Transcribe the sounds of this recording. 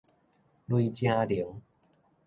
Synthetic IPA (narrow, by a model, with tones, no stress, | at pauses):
lwui˧t͡ɕjã˧li˨˩˦ŋ